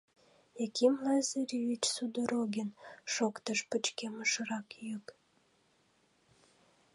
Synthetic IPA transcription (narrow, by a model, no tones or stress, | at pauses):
ekimlɑzeɾʲiit͡ɕsud̪oɾoɡʲenʃokt̪əʃpət͡ɕkeməʃərɑkjyk